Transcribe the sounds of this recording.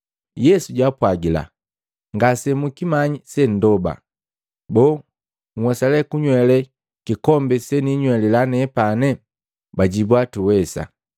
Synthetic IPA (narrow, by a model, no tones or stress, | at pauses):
jɛsuɟwapwaɡila̰ | ŋɡasɛmukimaɲisɛn̩dɔba̰ | bɔː | ŋ̩wɛsalɛkuɲwɛlɛ | kikɔmbɛsɛniɲwɛlɛlanɛpanɛ | baɟibwatuwɛsa̰